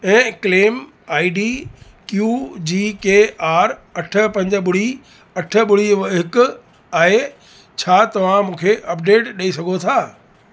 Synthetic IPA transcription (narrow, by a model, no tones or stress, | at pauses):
ɛ̃ːkleːm | aːiɖiː | kjuːd͡ʑiːkeːaːɾɐʈʰə̆pɐ̃ɲd͡ʑə̆ɓʊɽ̤i | ɐʈʰə̆ɓʊɽ̤iɦɪkʊ̆ | aːɦe | t͡ɕʰaːt̪ɐʋ̤ãmũːkʰeʔɐp̚ɖeːʈɗɐisɐɡʱot̪ʰaː